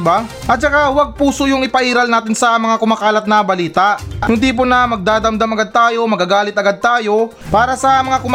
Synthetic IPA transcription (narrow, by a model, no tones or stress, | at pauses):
ba | ʔɐt̪̚t͡ʃɐkawɐɡ̚puːsojʊŋɪpɐʔiːɾɐlnaːt̪ɪnsɐmɐŋakʊmaːkaːlɐt̪̚nɐbɐliːt̪ɐʔjʊnd̪iːp̬onɐmɐɡ̚d̪aːd̪ɐmd̪ɐmɐɡad̪̚t̪aːjo̞mɐɡaːɡaːlɪt̪ɐɡad̪̚t̪aːjo̞ | paːɾɐsɐmɐŋakʊm